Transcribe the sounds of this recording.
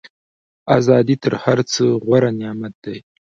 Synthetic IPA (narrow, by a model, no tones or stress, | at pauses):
azɑd̪it̪əɾhaɾt͡səɣwaɾanɪjɑmat̪̚d̪aj